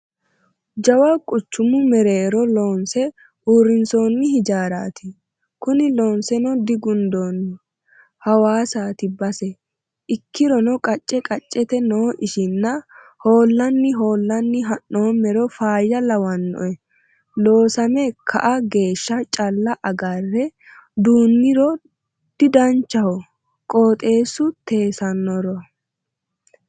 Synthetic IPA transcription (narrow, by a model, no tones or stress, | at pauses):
d͡ʒɐwakʼʊt͡ʃːʊmʊmɛɾe̞ːɾɔlo̞ːnsɛ | uːɾːɪnso̞ːnːɪhɪd͡ʒaːɾa̰ːt̪ʰɪ | kʊnɪlo̞ːnsɛnɔd̪ɪɡʊnd̪oːnːɪ | hɐwaːsaːt̪ɪbɐsɛ | ʔɪkːɪɾɔnɔkʼɐt͡ʃʼːɛkʼɐt͡ʃʼːɛt̪ɛnoːʔɪʃɪnːɐ | ho̞ːlːɐnːɪɦo̞ːlːɐnːɪɦɐnːoːmːɛɾɔfaːjːɐlɐwɐnːɔ̰ʔɛ | lo̞ːsɐmɛkʰɐ̰ʔɐɡe̞ːʃːɐt͡ʃʼɐlːɐʔɐɡɐrːɛ | d̪uːnːɪɾɔ | d̪̥ɪd̪ɐnt͡ʃːɐhɔ | kʼoːt̪ʼe̞ːsːʊt̪e̞ːsɐnːɔɾɔ